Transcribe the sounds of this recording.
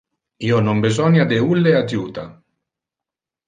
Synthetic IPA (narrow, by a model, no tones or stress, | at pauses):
iːonombezɔnjad̪eulːead̪juːt̪a̰